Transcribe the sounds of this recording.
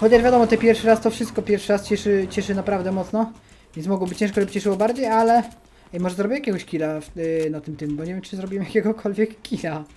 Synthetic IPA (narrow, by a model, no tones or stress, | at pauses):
xɔt͡ɕaʐvʲjad̪ɔmɔt̪ɛpʲjɛɾfʂɘɾast̪ɔfʂɨst̪̚kɔpʲjɛɾfʂɘɾast͡ɕɛʂɘt͡ɕɛʂɘnapɾavd̪ɛmɔt̪snɔ | vʲjɛnsmɔɡwɔbɘt͡ɕɛ̃ʂkɔɕɛbɘt͡ɕɛʂɘwɔbaɾd͡ʑejalɛ | ɛmɔʐɛzɾɔbʲiwɛjakʲɛɡɔɕkʲilafnat̪ɘmt̪ɘmbɔɲevʲjɛmt͡ʂɨzɾɔbʲiwɛmjakʲɛɡɔkʰɔlvʲjɛkːʲila